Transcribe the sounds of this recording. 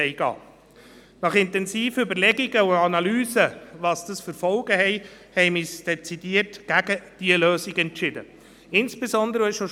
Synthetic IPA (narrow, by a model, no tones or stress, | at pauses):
ɛɪɡ̥ɑ̰ː | nɑχɪntɛnziːfəʏbəɾlɛɡiɡəuɑnɑlyːzəvɑsd̥ɑsfəɾfɔlɡ̥əhɛɪhɛɪmiːsd̥ɛt͡sid̥iərtɡ̥æɡəd̥iəløːsiɡɛntʃɪd̥ə̰ | ɪnsb̥ezɔnd̪əɾəɛʃo